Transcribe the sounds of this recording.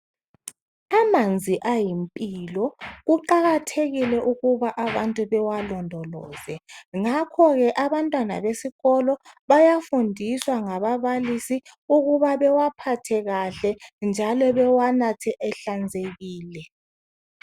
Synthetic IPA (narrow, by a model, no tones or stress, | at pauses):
amand͡zʱiʔajimpʼilɔɣuǃaɣatʰeɣilɛʔuɣuβaʔaβantʼuβɛwalɔndʱɔlɔːz̥ɛŋakʰɔɣɛʔaβantʼwana̰βesiɣɔlɔβajafundʱiswaŋaβaβalisi | uɣuβaβɛwapʰatʰɛɣaɬɛnd͡ʒʱalɔβɛwanatʰɛʔɛɬand͡zʱeɣiːlɛ